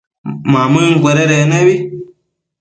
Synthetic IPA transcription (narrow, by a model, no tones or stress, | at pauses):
mamɨŋɡʷɛɾeɾenewi